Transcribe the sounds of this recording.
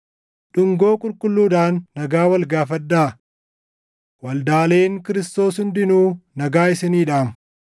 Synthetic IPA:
ᶑʊŋɡo̞ːkʼʊlkʼʊlːuːᶑ̪aːnːɐɡaːwɐlɡaːfɐd̪ːaː | wɐld̪aːle̞ːŋkɪɾɪst̪o̞ːshʊnd̪ɪnuːnɐɡaːɪsɪniːᶑaːmʊ

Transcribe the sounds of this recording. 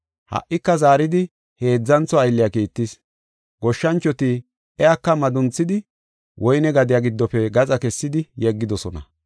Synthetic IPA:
hɐ̰ʔʔːɪkːɐzaːɾɪd̪ɪ | he̞ːd͡zːɐnt͡sɔɐjlːɪjakiːt̪ːɪs | ɡɔʃːɐnt͡ʃːɔt̪i | ʔɛjakːɐmɐd̪ʊnt͡sːɪd̪ɪ | wʔɔjnɛɡɐd̪ɪjaɡɪd̪ːɔpɛɡɐt͡sʼɐkɛsːɪd̪ɪjɛɡːɪd̪ɔsɔnɐ̰

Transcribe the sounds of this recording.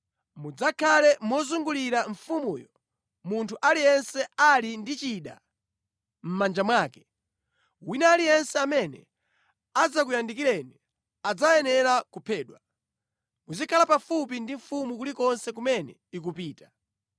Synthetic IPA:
mud͡zakʰalɛmwɔzuŋɡuliɾaɱ̩fumuːjɔ | muntʰuʔalijɛnsɛalindit͡ʃiɗa̰ | m̩mand͡ʒamwaːkɛ̥ | winɛːlijɛnsɛamɛnɛ̰ | ad͡zak̬ujandikilɛni | ad͡zajɛnɛɾakupʰɛːɗwa | muzikʰalapafupindiɱfumukulikɔnsɛkumɛnɛ̰ | ik̬upiːta

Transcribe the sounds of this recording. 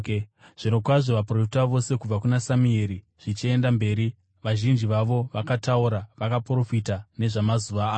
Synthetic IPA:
ʐ̥inokwaʐo̞ʋaprofitaʋo̞se̞kub͡vakunasamieːɾi | ʐ̥it͡ʃie̞ndambe̞ːɾi | ʋaʒind͡ʒiʋaʋo̞ʋakatauɾaʋakapro̞fitane̞ʐamazuʋaː

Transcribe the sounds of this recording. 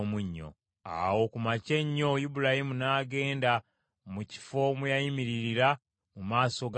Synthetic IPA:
muɲːo̞̰ | a̰wo̞kumace̞ɲːo̞jibuɾahimunaːɡe̞ːnda | muci̥fo̞mujajimiɾiɾiɾa | mumaːso̞ɡ

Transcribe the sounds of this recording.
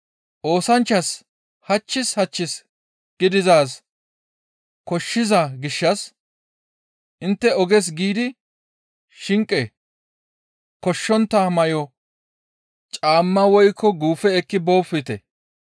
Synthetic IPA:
ʔo̞ːsɐnt͡ʃːɐs | hɐt͡ʃːɪshɐt͡ʃːɪs | ɡ̥ɪd̪ɪzaːs | kɔʃːɪzɐɡɪʃːɐs | ʔɪnt̪ːɛɔɡɛs̬ɡiːd̪ɪ | ʃɪŋkʼːɛ | kɔʃːɔnt̪ːɐmɐjɔ | t͡ʃʼaːmːɐwɔjkʰːɔɡuːfɛɛkːɪbo̞ːfɪt̪ɛ̰

